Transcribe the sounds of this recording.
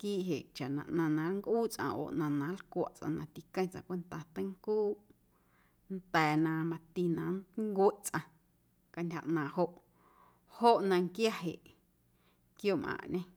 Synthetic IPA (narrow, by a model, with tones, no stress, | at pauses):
kiː˦ʔɦe˨ʔt͡ʃa˨ʔnã˨ʔnã˧nã˨˧˦ŋkʔuː˦t͡sʼʔã̰˧˨ʔo̰ː˨ʔnã˧nã˨˦lkʷa̰˦˨ʔt͡sʼʔã̰˧nã˧t̪i˨kə̃˧j̃t͡sʔã̰˧˨kʷe˧nt̪a˧t̪ə̃˦ŋkuː˦ | nt̪ɛː˨nã˧˨mã˧t̪i˧nã˨˦nŋɡwe˦ʔt͡sʼʔã˧ | ka˧ntʲha̰˧˨ʔnãː˨ho˧ʔ | ho˦ʔnã˧ŋkja˦ɦḛ˨ʔ | kjoː˦mʔã̰ː˨ʔɲẽ˦